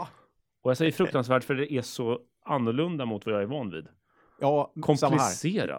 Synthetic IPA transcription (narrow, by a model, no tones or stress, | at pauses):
ɔjasɛjːəɾfɾɵk̚t̪ansvæːʈfœɖɛʔæʂɔ | anːʊɭɵnd̪amʊt̪vajɑːæɾvɑːnvḭːd̪ | kʰɔmplɪseːɾa̰